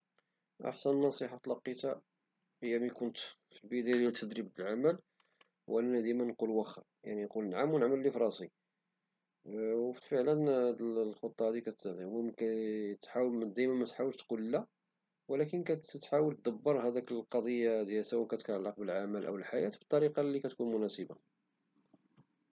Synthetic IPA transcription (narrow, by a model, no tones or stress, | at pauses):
ʔɑ̰ħsənnːɑsˤiħɑt̪lɑqːit̪a | ʔəjːæmikʊnt̪ | filbəd̪æjlæt̪ʰːəd̪ɾib̚bəlʕaməl | wʔænænd̪imænqulwæxæ | ja̰ʕninqulnʕamwnəʕməlːifɾˤɑsˤi | wfəʕlənd̪əllxot̪ˤːɑhæd̪ikæt̪d̪wæmkæt̪ħawəmd̪æjmæmæt̪ħawəlt̪qullːæ | wəlækənkæt̪ət̪ħawəlt̪̚d̪əbːɑɾˤɦæd̪ækəlqɑd̪ˤəjːad̪jælswækæt̪ə̥t̪ʕalːɑq̚bəlʕaməlʔə̰wəlħajæt̪bə̥t̪ˤːɑɾiqɑlːikæt̪kunmʊnæsəba